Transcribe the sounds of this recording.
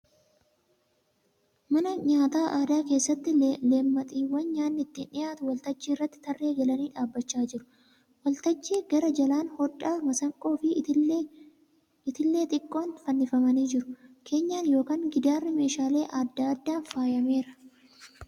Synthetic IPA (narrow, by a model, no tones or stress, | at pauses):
mɐnɐɲaːt̪aːʔaːd̪aːke̞ːsːɐt̪ːɪleːmːɐt̪ʼiːwːɐnɲaːnːɪt̪ːɪnɪjaːt̪ʊwɐlt̪ɐd͡ʒːiːrːɐt̪ːɪ̥t̪ɐrːe̞ːɡɐlɐniːᶑaːbːɐt͡ʃːaːd͡ʒɪɾʊ̥ | wɐlt̪ɐd͡ʒːiːɡɐɾɐd͡ʒɐlaːnhɔᶑaːfmɐsɐŋkʼo̞ːfɪ | ɪt̪ɪlːe̞ːt̪ʼɪkʼːo̞ːnfɐnːɪfɐmɐniːd͡ʒɪɾʊkʰe̞ːɲːaːnjo̞ːkaːŋɡɪd̪aːrːɪme̞ːʃaːle̞ːʔɐd̪ːaːɐd̪ːaːnfaːjɐme̞ːɾɐ̥